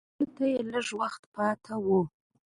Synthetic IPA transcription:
tʰajelɨʐwaχt̪pʰɑːtʰawu

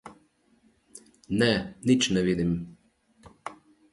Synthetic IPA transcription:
nɛnit͡ʃnɛʋiːd̪im

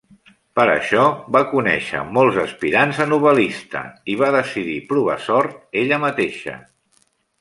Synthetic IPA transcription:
pəɾə̰ʃɔβakunɛ̰ʃə̰mɔlˠzəspiɾanzənuβəlist̪ə̰iβaðəsiðipɾuβ̞a̰sɔɾt̪̚eʎəmət̪eʃə̰

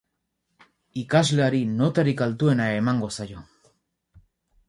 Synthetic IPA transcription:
ikazleaɾino̞t̪aɾikalt̪ue̞naemaŋɡo̞sajo̞

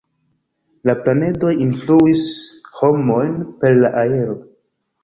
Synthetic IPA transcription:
laplane̞do̞jinfluisho̞mo̞jnpe̞ɾlaʔae̞ɾo̞

